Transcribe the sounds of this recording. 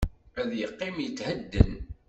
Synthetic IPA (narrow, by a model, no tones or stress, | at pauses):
æðjəqːɪmjət͡sːhəd̪ːə̰n